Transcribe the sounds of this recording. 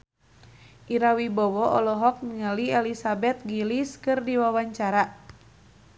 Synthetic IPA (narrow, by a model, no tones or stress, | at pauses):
ʔiɾawibɔwɔʔɔlɔɦɔk̚nəŋəliɛlisabɛt̪̚ɡiliskɨrdiwawaɲt͡ʃaɾa